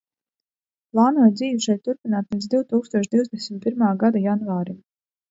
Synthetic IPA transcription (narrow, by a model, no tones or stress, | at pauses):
plˠaːnuɔjd̪ziːvʲiʃɛjt̪t̪ːuɾpinaːt̪lˠit̪zd̪iwt̪uːkst̪uɔʃd̪iwzd̪ɛsʲmit̪̚piɾmaːɡad̪ajanvaːɾim